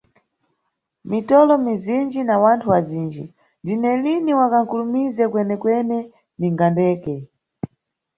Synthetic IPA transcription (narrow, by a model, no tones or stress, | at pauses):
mitɔlɔmizind͡ʒinawantʰuwaziːnd͡ʒi | ndinɛliniwakaŋ̩kulumizɛkwɛnɛkwɛnɛ | niŋɡandɛːkɛ